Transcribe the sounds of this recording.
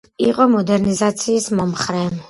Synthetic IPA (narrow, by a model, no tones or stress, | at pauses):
ḭqʼɔmɔd̪ɛɾnizat̪sʰiːsmɔmχɾɛm